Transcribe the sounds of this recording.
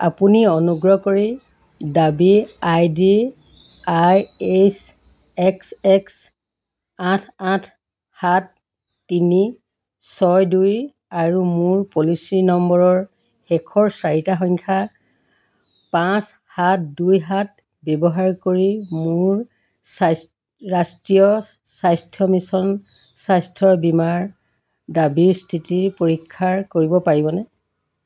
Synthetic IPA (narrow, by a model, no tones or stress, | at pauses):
a̰puniɔnuɡɹɔkoɹi | dabiajdi | ajes | ɛksɛks | atʰatʰ | hatː | ini | sɔjduj | aɹumʊɹpolisinɔmbɔɹɔɹ | ɛkʰɔɹsaɹitaxɔɲkʰa | pãs | hat̚dujɦat̚ | bɛbɔɦaɹkoɹimʊɹ | ɹastɹijɔ | sajstʰiɔmisɔn | sajstʰɔɹbimaɹ | dabiɹstʰitiɹpoɹikʰːaɹkoɹibɔpaɹibɔnɛ